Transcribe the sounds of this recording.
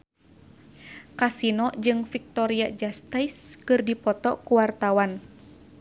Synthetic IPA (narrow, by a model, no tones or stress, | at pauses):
kasinɔd͡ʒɨŋfik̚t̪ɔɾiad͡ʒast̪ajskɨrdipɔt̪ɔkuwart̪awan